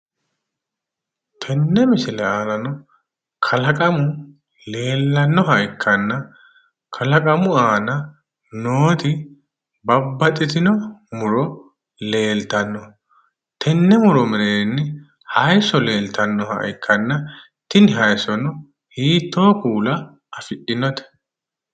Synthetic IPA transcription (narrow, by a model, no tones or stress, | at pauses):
t̪ʰɛnːɛmɪsɪlɛaːlɐnɔ | kʰɐlɐkʼɐmʊ | le̞ːlːɐnːɔɦɐɪkʰːɐnːɐ | kʰɐlɐkʼɐmʊaːnɐ | noːt̪ɪ | bɐbːɐt̪ʼɪt̪ɪnɔmʊɾɔ | le̞ːlt̪ɐnːɔ | t̪ʰɛnːɛmʊɾɔmɛɾeːnːɪ | hɐjsɔle̞ːlt̪ɐnːɔhɐ̰jɪkʰːɐnːɐ | t̪ːɪnɪɦɐjsɔnɔ | hiːt̪ːo̞ːkuːlɐː | fɪʔɪnɔt̪ɛ̥